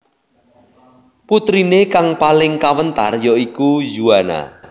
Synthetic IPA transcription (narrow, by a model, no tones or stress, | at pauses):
put̪ɾinekaŋpalɪŋkawənt̪a̰rjɔikud͡ʒuana̰